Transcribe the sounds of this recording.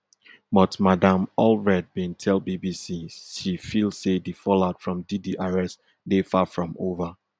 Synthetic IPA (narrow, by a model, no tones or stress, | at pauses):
bɔtmadãmɔlvɹɛd̚bẽntʰɛlˠbibisiʃifilˠsedifɔlaʊtfɹɔ̃mdidiʔaɹɛst | defafɹɔ̃mova